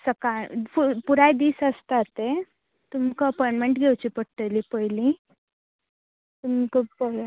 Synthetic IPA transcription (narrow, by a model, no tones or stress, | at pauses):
səkafupuɾajd̪iːsəst̪at̪e | t̪umkəəpɔjɳmeɳʈɡʱewt͡ɕipəʈʈəlipəjlĩ | t̪umkəpə